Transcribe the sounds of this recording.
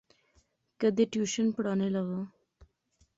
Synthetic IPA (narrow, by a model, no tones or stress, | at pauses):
kəd̪eʈjuːʃənpɽɑːnelaʋə